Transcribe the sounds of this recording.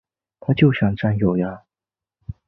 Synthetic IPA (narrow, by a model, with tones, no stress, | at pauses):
t̪ʰa˥t͡ɕjo˥˩ʊɕjɑ˨˩ŋʈ͡ʂa˥njo˨˩ʊja˧˦